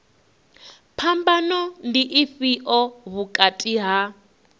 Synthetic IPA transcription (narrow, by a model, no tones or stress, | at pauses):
pʰambanɔndiʔifiʔɔβukʼatʼiɦa